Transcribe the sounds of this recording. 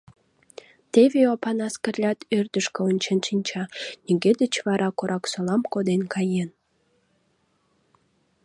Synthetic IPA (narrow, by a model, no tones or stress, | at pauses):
t̪eβeopɑnɑskərlʲɑt̪ʰørd̪əʃkeonʲt͡ɕenʃinʲt͡ɕɑnʲiɡed̪ət͡ɕβɑɾɑkoɾʔɑksolɑmkod̪enkɑjen